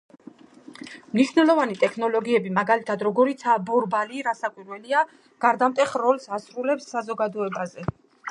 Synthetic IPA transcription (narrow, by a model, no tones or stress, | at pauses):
mniʃwnɛlˠɔvanit̪ʼɛkʰnɔlɔɡiɛbimaɡalit̪ʰad̪ɾɔɡɔɾit̪sʰabɔɾbaliɾasakʼwiɾwɛlia | ɡ̥aɾd̪amt̪ʼɛχɾɔlsasɾulɛpsːazɔɡad̪ɔɛbazɛ